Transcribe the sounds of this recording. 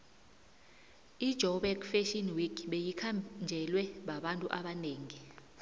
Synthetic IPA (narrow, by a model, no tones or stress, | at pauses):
id̥ʒ̥ʱɔɓɛkfɛʃinwikʰɓejikʰamnd͡ʒʱɛlwɛɓaɓantʼuʔaɓaneːŋi